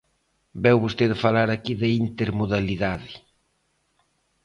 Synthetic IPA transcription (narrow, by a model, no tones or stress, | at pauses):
bɛwβost̪eðɪfalaɾakiðɪint̪eɾmoðaliðaðɪ